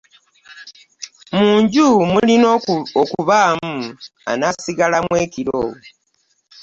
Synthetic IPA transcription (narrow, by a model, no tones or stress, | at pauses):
muːɲɟumulinokuβaːmua̰nasiɡalamweːkiɾo̰ː